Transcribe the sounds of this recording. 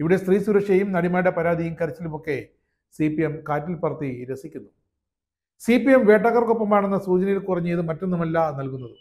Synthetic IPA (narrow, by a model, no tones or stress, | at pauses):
iʋiɽe̞st̪riːsuɾɐkʂɐjumnɐɽimaːjɽepɐɾaːd̪ʱɐjumkɐɾɐt͡ɕːilumo̞kːe̞ | sipijemkaːtːilpɐrɐt̪ːiɾesikʲːunːu | siːpijemʋe̞ːʈːɐɣɐrkopːɐmaːɳenːɐsuːt͡ɕɐnɐjilkurɐɲːɨiðɨmɐtːonːumɐlːɐnɐlkunːɐðɨ